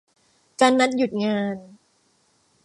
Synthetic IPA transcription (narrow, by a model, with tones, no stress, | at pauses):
kaː˧nːa˦˥t̪̚ju˨˩t̪̚ŋaː˧n